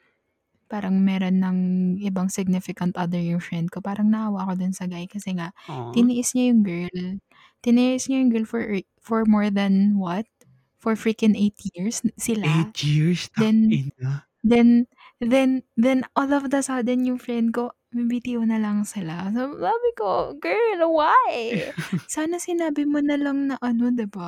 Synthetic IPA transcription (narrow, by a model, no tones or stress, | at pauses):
paːɾɐŋmɛːɾo̞nːɐŋʔɪbaŋsɪɡ̚nɪfɪkɐnt̪ʔɐd̪ɛɹjʊŋfɹɛnd̪̚ko̞paːɾɐŋnɐʔawaʔko̞d̪onsɐɡajkɐsɛŋaʔt̪ɪnɪʔɪsɲajʊŋɡɛɹl | t̪ɪnɪʔɪsɲajʊŋɡɛɹlfɔɹʔɛ | fɔɹmoɹd̪ɐnwɐt̪̚ | fɔɹfɹikɪnʔejt̪jiɹsːɪlet̪jiɹsd̪ɛnn | d̪ɛn | ðɛnðɛnʔolɔvd̪ɐsɐd̪ɛnjʊŋfɹɛnd̪̚ko̞ | mɪbit̪iʔonɐlɐŋsɪlasɐbsaːbɪkoɡɛɹlwaj | saːnɐsɪnaːbɪmonɐlɐŋnɐʔɐno̞d̪ɪba